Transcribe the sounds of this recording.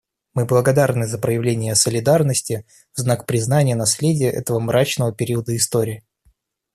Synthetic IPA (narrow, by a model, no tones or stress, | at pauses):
mɨblˠəɡɐd̪arnɨzəpɾəjɪvlʲenʲɪjəsəlʲɪd̪arnəsʲtʲɪ | vznakpɾʲɪznanʲɪjənɐsʲlʲedʲɪjəʔɛ̰t̪əvəmɾat͡ɕnəvəpʲɪɾʲiəd̪əɪst̪oɾʲɪː